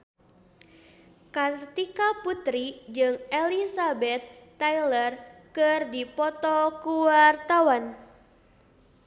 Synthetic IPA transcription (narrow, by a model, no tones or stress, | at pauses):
kat̪ikaput̪ɾid͡ʒɨŋelisabɛt̪̚ːailərkɨrdipɔt̪ɔkuwart̪awan